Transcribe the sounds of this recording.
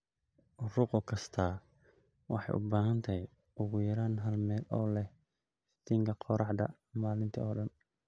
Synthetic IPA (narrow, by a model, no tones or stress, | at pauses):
ʔʊrʊqɔkʰɐst̪ʰaː | wɑħɑ̰jʔʊ̰baːɦɐnt̪ʰɐj | ʔʊɣʊjɐɾaːnɦɐlmɛːlʔɔːlɛh | st̪iːŋkʰɐqɔɾɑħd̪ɐ̰ | maːlɪnt̪ʰɐɔːɖɐn